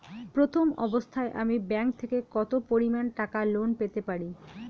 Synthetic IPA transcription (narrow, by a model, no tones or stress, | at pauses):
pɾot̪ʰomɔ̰bost̪ʰaeʔamibɛŋk̚t̪ʰekekɔt̪opoɾimanʈakalonpet̪epaɾi